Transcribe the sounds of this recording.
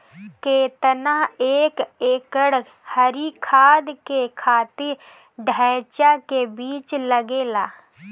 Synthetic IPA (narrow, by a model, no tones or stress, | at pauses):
keːt̪ənaeːkeːkəɽ | həɾikʰaːd̪kekʰaːt̪ɪɾ | ɖʱɛːt͡ʃakebiːt͡ʃləɡeːlaː